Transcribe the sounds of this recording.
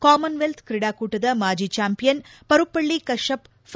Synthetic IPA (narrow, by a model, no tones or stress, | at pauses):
kaːmɐnʋelt̪ʰkɾɪɽaːkuːʈːɐðɐmaːd͡ʒit͡ʃaːmpijɐnpɐɾɯpːɐɭːikɐʂɐp | f